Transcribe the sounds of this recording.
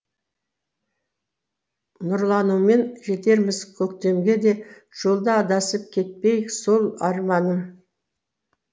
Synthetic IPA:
nʊɾlˠɑnume̞nʒe̞t̪e̞ɾmɪzkʲʰɵkt̪e̞mɡʲe̞d̪e̞ | ʒ̥o̞lˠd̪əɑd̪ɑsəp̚kʲʰe̞t̪̚pejsolˠɑɾmɑnəm

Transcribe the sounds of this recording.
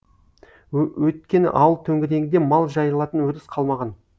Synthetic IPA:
wɵt̪̚kʲe̞nɪ̰ʔɑwəlˠt̪ʰɵŋɡʲɪd̪e̞ŋɡʲɪd̪emɑlˠʒɑjəlˠɑt̪ənwɵɾɪsqʰɑlˠmɑʁɑn

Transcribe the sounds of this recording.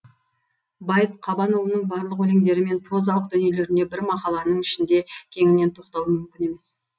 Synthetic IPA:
bɑjəp̚qʰɑbɑnolˠənəɴbɑɾlˠəqwɵle̞ŋd̪e̞ɾɪme̞nt̪ʰo̞zɑwəqd̪ʏnjele̞ɾɪne̞bɪɾmɑqɑlˠɑnəɴɪʃɪnd̪e̞kʲʰe̞ŋɪne̞nt̪ʰo̞qt̪ɑwəmʏmkʲɪne̞me̞s

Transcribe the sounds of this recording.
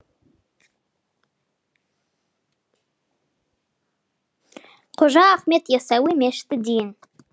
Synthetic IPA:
qʰoʒɑːχmet̪jɑsɑwimeʃt̪ɪd̪ejɪn

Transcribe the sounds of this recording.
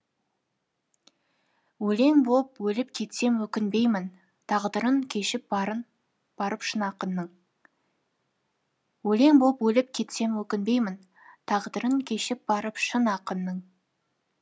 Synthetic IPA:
wɵle̞ŋbolˠpwɵlɪp̚kʲʰe̞t̪se̞mwɵkʲɪnbe̞jmɪn | t̪ʰɑʁd̪əɾəŋkʲʰe̞ʃɪp̚ | b̥ɑɾəpʃənɑqənːəɴ | wɵle̞ŋbopwɵlɪp̚kʲʰe̞t̪se̞mwɵkʲɪnbe̞jmɪn | t̪ʰɑʁd̪əɾəŋkʲʰe̞ʃɪp̚bɑɾəpʃənɑqənːəɴ

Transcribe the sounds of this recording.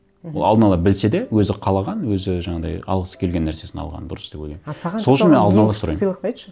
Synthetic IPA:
olˠɑ̰ld̪ənɑlˠɑbɪlse̞d̪e̞wɵzɪqʰɑlˠɑʁɑnwɵzɪʒɑɴɑd̪ɑ̰jɑ̰lˠʁəsə̥kʲʰe̞lɡʲe̞nːæɾse̞sɪnɑ̰lˠʁɑ̰nd̪ʊɾəsd̪epwɵlɡʲensɑɑsoɪʃɪnme̞nɑlˠd̪ənɑlˠɑsʊɾɑ̰jmlˠət̪ɑj̪ʃə

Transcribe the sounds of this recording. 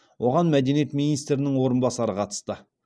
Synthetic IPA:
wʔo̞ʁɑnmæd̪e̞nije̞t̪minijst̪ɾɪnɪŋwo̞ɾənbɑsɑɾəqʰɑt̪ə̥st̪ə

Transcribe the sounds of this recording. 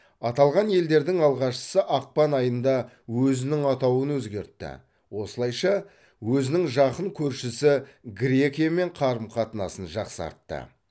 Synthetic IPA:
ɑt̪ɑlˠʁɑnje̞ld̪e̞ɾd̪ɪŋɑlˠʁɑʃə̥səʔɑq̚pɑnɑjənd̪ɑ | wɵzɪnɪŋɑt̪ɑwənwɵzɡʲe̞ɾt̪ːɪ̰ | wo̞səlˠɑjʃɑ | wɵzɪnɪŋʒɑqəɴkʲʰɵɾʃɪsɪɡɾʲekʲijame̞ɴqʰɑɾəmqʰɑt̪ənɑ̰sənʒɑqsɑ̰ɾt̪ːə̰

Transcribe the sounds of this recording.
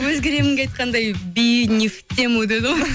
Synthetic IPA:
wɵzɡʲe̞ɾe̞mɪŋɡʲeɑjt̪̚qʰɑnd̪ɑjbijnʲift̪ʲːemud̪ed̪ɨo

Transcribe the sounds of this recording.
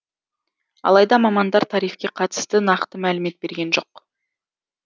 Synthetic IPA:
ɑ̰lˠɑjd̪ɑmɑmɑnd̪ɑɾt̪ʰɑɾijfkʲe̞qʰɑt̪ə̥st̪ənɑqt̪əmælɪme̞t̪̚be̞ɾɡʲe̞nʒo̞q

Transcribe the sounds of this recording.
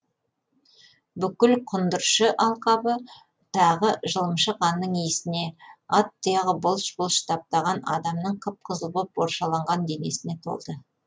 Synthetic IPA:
bʏkʲɪlqʰʊnd̪əɾʃəʔɑlˠqɑbə | t̪ʰɑʁəʒəlˠəmʃəqʰɑnːəɴijɪsɪne̞ɑt̪ːijɑʁəbʊlˠʃbʊlˠʃt̪ʰɑp̚t̪ɑʁɑnɑ̰d̪ɑmnəɴqʰəp̚qʰəzəlˠbop̚boɾʃɑlˠɑɴʁɑnd̪e̞ne̞sɪne̞t̪ʰo̞̰lˠd̪ə

